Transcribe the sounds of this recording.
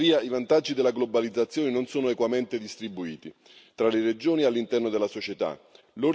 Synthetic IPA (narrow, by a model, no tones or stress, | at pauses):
viːaivant̪ad͡ʒːid̪elːaɡlobalid̪zːat̪sːjoːnenonsoːnoekwament̪ed̪ist̪ɾibuiːt̪i | t̪ɾalered͡ʒoːnialːint̪ɛrnod̪elːasot͡ʃet̪a̰ | lo